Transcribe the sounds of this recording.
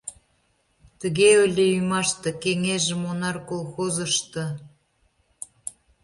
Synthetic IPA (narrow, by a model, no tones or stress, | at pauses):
t̪əɣeølʲĕymɑʃt̪ɤ̆keŋeʒə̆monɑrkolˠxozə̆ʃt̪ɤ̆